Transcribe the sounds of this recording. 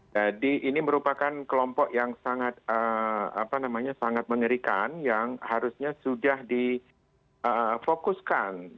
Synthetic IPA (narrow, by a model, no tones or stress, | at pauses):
d͡ʒadiʔiniməɾupakankəlɔmpɔʔjaŋsaŋat̪̚əa̰panamaɲasaŋat̪̚məŋəɾikanjaŋhaɾusɲasudahdi | ʔəfokuskan